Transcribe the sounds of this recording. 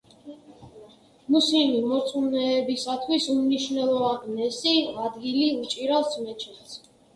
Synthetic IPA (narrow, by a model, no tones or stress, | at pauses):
musimimɔɾt̪sʼunɛːbisat̪ʰwisumniʃvnɛlˠɔvaninɛsiad̪ɡiliut͡ʃʼiɾalˠsmɛt͡ʃʰɛtt̪s